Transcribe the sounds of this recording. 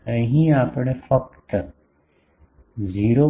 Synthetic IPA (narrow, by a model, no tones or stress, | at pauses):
ə̃ɦĩaːpɽefɐk̚t̪ə | ziːɾo